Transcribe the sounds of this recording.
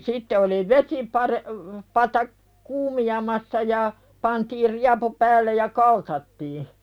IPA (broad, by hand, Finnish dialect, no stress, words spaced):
sitːe oli ʋesipɑɾe pɑtɑ kuːmiɑmɑsːɑ jɑ pɑntiːr riɑpu pæːlːej jɑ kɑltɑtːiː